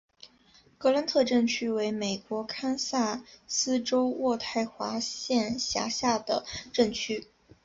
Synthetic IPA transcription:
kɤ˧˥la˧˥nt̪ʰɤ˥˧ʈ͡ʂɤ˥˩ŋt͡ɕʰy˥we˧˥ɪme˨˩ɪkwɔ˧˥kʰa˥nsa˥˩sɹ̩˥ʈ͡ʂo˥ʊwɔ˥˧t̪ʰa˥˩ɪxwa˧˥ɕjɛ˥˩nɕja̰˧˥ɕja˥˩d̪ə̰˩ʈ͡ʂɤ˥˩ŋt͡ɕʰy˥

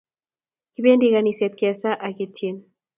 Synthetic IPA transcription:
ki˦be˦ndi˦ka˨ni˨sɛ˨t̪̚kɛ˨sa˦ʔa˨ki˨tʰje˨n

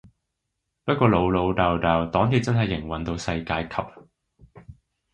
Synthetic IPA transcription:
pɐ˥t̚kʷɔː˧lo˨˧wlo˨˧wt̪aː˨wt̪aː˨wt̪ɔː˨˥ŋt̪iː˨˥t̚t͡sɐ˥nɦɐ˨jːɪ˨˩ŋwɐ˨nt̪o˧wsɐ˧jkaː˧jkʰɐ˨p̚

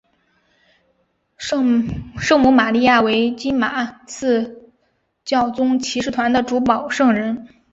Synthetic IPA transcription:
ʂɤ˥˩˧ŋmu˧˥ma˨˩li˥˧ja˥˩we˧˥ɪt͡ɕi˥nma˨˩˦t͡sʰɹ̩˥˧ | t͡ɕjɑ˥˩ʊt͡sʊ˥ŋt͡ɕʰi˧˥ʂ̬ɻ̩˥˩t̪ʰwa˧˥nd̪ə˧˨ʈ͡ʂu˧˥pɑ˨˩ʊʂɤ˥˧ŋɻə˧˥n

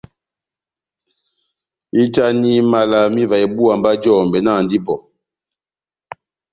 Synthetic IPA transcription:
i˦ta˦ni˦ma˨la˨mi˦va˨ɛ˨bu˦a˨mba˦d͡ʒɔː˦˨mbɛ˨na˦˨n˨di˦pɔ˨

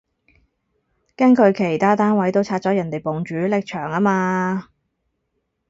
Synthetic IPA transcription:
kɐ˥nkʰɵ˨˧ɥkʰe˨˩jt̪ʰaː˥t̪aː˥nwɐ˨˥jt̪o˥wt͡sʰaː˧t̚t͡sɔː˨˥jɐ˨˩nt̪e˨jpo˨˩ŋt͡ʃyː˨˥lɪ˨k̚t͡ʃʰœː˨˩ŋaː˥maː˧

